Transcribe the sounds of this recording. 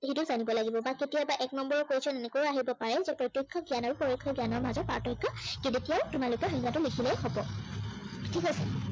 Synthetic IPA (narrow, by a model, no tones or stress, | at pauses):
ɦituzanibɔlaɡibɔbaketijabaʔɛknɔmbɔɹɔkoɹisɔnenekɔɹaɦibɔpaɹɛzɛpɹɔtjɔkʰːɔɡjanɔɹupoɹɔkʰːɔɡjanɔɹmazɔt̚pa̰ɹtɔjkʰːɔketetijaʊtumalʊkɔxɔŋɡatʊlikʰilɛxɔbɔ | tʰikasɛ